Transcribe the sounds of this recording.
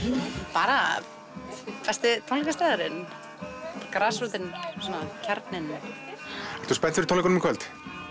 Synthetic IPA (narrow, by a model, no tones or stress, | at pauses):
paːɾa | fɛ̥st̪ɪt̪ʰownlɛkast̪aːðaɾɪn | kɾaːsɾut̪ɪnsanacʰaɾt̪nɪnː | ɛɾt̪ʰuspɛnt̪fɪɾt̪ʰowlɛkɔnmkʰvœlt̪